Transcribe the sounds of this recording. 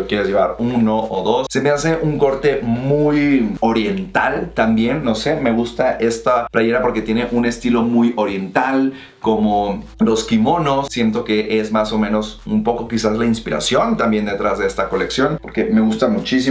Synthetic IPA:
okje̞ɾezʝe̞βa̰ɾnoʔoðo̞sse̞me̞as̬e̞ʔuŋko̞ɾt̪e̞mujo̞ɾje̞nt̪alt̪ambje̞nːo̞se̞me̞ɣ̞ust̪aʔe̞st̪aplaʝe̞ɾapo̞ɾke̞t̪je̞neʔune̞st̪ilo̞mujo̞ɾje̞nt̪al | ko̞molo̞skimo̞no̞sːje̞nt̪o̞ke̞ʔezmaso̞mẽno̞sṵmpo̞ko̞kisazlainspiɾa̰sjo̞nt̪ambje̞nd̪e̞t̪ɾʔazðe̞est̪ako̞le̞ksjo̞npo̞ɾke̞me̞ɣust̪amut͡ʃisi

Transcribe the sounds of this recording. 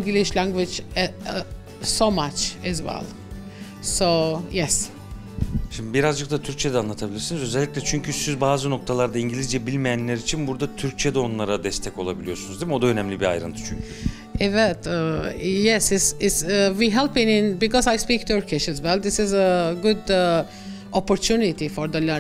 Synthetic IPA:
ŋɡilˠɪʃlæ̃ŋɡwɪd͡ʒ | somat͡ʃɛzwɛ̰lˠ | soʊjɛs | ʃimd̪ibiɾazd͡ʒɯk̚t̪ʰat̪ʰyɾc̚t͡ʃʰed̪ɛanˠat̪ʰabilʲiɾsinizø̞zɛlʲːiclʲɛt͡ʃʰyɲcʰysyzbaːzɯno̞k̚t̪ʰalˠaɾd̪aiɲɟilʲizd͡ʒɛbilʲmɛjænlʲæɾit͡ʃʰinbuɾd̪at̪ʰyɾk̚t͡ʃʰed̪ɛo̞nlˠaɾad̪ɛst̪ʰɛko̞lˠabilʲijo̞sunuzd̪ibmɛod̪aø̞nɛmlʲibia̰jɾɯ̰nt̪ʰɯ̥t͡ʃʰyɲcʰy | ʔɛvɛtəjɛsɪsɪtswiɦɛlˠpɪ̃nɪ̃nbikɔzajspikt̪ʰuɹkʰɪʃɛzwɛlˠd̪ɪsɪzəɡʊd̪ə | ʔɔpɔɾtʰunit̪ifɔɾd̪əlɛ

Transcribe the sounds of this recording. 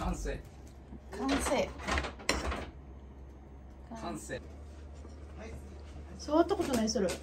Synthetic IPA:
ãseː | kʰãɰ̃seː | kkʰãse | soat̪ːako̞t̪onaɲisɨɾɯ

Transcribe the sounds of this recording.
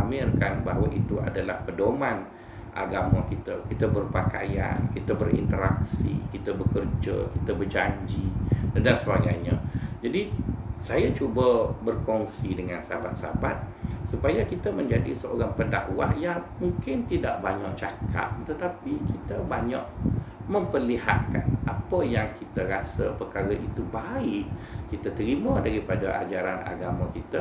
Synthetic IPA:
amɪrkanbaɦwaʔit̪ua̰dalahpədoman | ʔa̰ɡamakit̪akit̪abərpaka̰ja̰nkit̪abərḭnt̪əɾa̰k̚sḭkit̪abəkərd͡ʒə̰kit̪əbərd͡ʒaɲd͡ʒidansəbaɡajɲad͡ʒadisajat͡ʃubəbərkɔŋsidəŋansabat̪̚sa̰bat̪̚supajakit̪əmə̃ɲd͡ʒadḭsəʔo̰ɾaŋpəda̰ʔwa̰hjaŋmuŋkɪnt̪idaʔbaɲaʔt͡ʃakʰa̰p̚t̪ət̪apikit̪əbaɲã̰ʔmə̃mpərliha̰t̪̚kanʔapəjaŋkit̪əɾasəpərkaɾaʔit̪ubaɪʔkit̪ət̪əɾimədaɾipadaʔa̰d͡ʒaɾana̰ɡamakit̪ə

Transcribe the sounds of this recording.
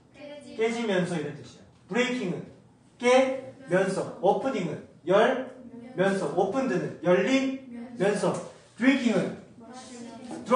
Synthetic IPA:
k͈ed͡ʑimjʌnsʰʌiɾʌntɯɕʰid | puɾekʰiŋɯn | k͈emjʌnsʰʌŋopʰɯniŋɯnjʌɭmjʌnsʰʌŋopʰɯndɯnɯnjʌʎːinmjʌnsʰʌŋ | tɾikʰiŋɯn | tuɾ

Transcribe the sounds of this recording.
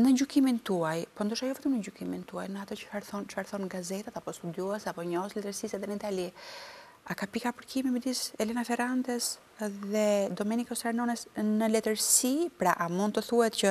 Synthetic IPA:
nəd͡ʑukimint̪uajpɔnd̪uʃajɔvɛt̪əmnəɟukimint̪uajnəat̪ɔt͡ʃə̥faɾθɔnt͡ʃfaɾθɔnɡazɛt̪at̪apɔst̪ud̪juɛsapɔɲɔslɛt̪əɾsisɛðɛnəit̪ali | akapikapəɾkimimɛd̪isɛlɛnafɛɾant̪ɛs | ðɛd̪ɔmɛnikɔsaɾnɔnɛsnəlɛt̪əɾsipɾaʔamund̪̚t̪əθuhɛt̪cə

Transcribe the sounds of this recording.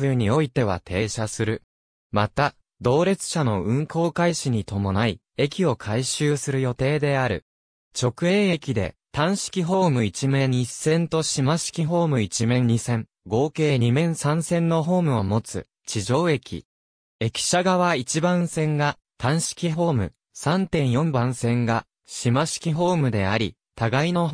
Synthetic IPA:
ɯɯ̟ɲ̟io̞it̪e̞β̞a̰t̪ʰe̞ːɕasɨɾɯ̟ | mat̪a | d̪o̞ːɾe̞t͡sɨ̥ɕano̞ɯ̟̃ŋko̞ːkaiɕiɲ̟it̪o̞mo̞nai | e̞kʲio̞kʰaiɕɨːsɨɾɯ̟jo̞t̪e̞ːd̪e̞aɾɯ̟̰ | t͡ɕo̞kɯ̟e̞ːe̞kʲid̪e̞̰t̪ãɰ̃ɕi̥kʲiɦo̞ːmɯ̟it͡ɕimẽ̞ɲisːẽ̞nt̪o̞ɕimaɕi̥kʲiɦo̞ːmɯ̟it͡ɕimẽ̞ɲɲisẽ̞ŋ | ɡo̞ːke̞ːɲ̟imẽ̞ɰ̃sãɰ̃sẽ̞nːo̞ɦo̞ːmɯ̟omo̞t͡sɨ | t͡ɕiʑo̞ːe̞kʲḭ | e̞kʲi̥ɕaɡaβ̞ait͡ɕibãsẽ̞ŋɡa | t̪ãɰ̃ɕi̥kʲiɦo̞ːmɯ̟̰ | sãnt̪ẽ̞ɰ̃jõ̞mbãɰ̃sẽ̞ŋɡa | ɕimaɕi̥kʲiɦo̞ːmɯ̟d̪e̞aɾʲi | t̪aɡaino̞

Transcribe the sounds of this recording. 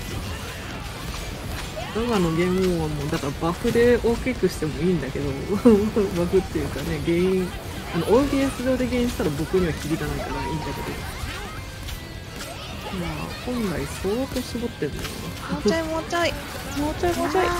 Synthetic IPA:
d̪aβano̞ɡẽ̞moβamoːd̪akaɾabaɸɯ̟d̪e̞o̞ːkʲekɯ̟ɕi̥t̪e̞mo̞iːnd̪ake̞d̪o̞ | baɸɯ̟t̪ːe̞jɯ̟ːkane̞ɡe̞ːĩ | ano̞ʔoiɡet͡sɨd̪o̞ːd̪e̞ɡẽ̞ːĩɕi̥t̪aɾabo̞kɯ̟ɲ̟iβakʲiɾʲid̪anaikaɾaĩːnd̪ade̞d̪o̞̰ | makõ̞nɾaiso̞ːt̪o̞ːɕibo̞t̪ːenḛo̰ne | aimot͡ɕai | mot͡ɕamoai

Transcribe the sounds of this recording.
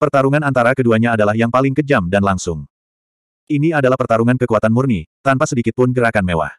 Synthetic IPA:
pərt̪aɾuŋanant̪aɾakəduaɲaːdalahjaŋpalɪŋkəd͡ʒamdanlaŋsʊŋ | ʔiniadalahpərt̪aɾuŋankəkuat̪anmurnit̪ampasədikɪt̪̚pʊnɡəɾakanmewa̰h

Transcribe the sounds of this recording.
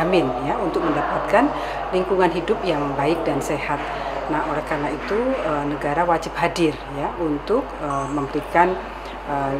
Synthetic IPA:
mɪnjaunt̪ʊk̚məndapat̪̚kan | liŋkuŋanɦidʊp̚jaŋbaɪk̚dansehat̪̚ | naholɛhkarnait̪uənəɡaɾawad͡ʒɪp̚hadɪrjaunt̪ʊk̚əməmpɾikan | ə

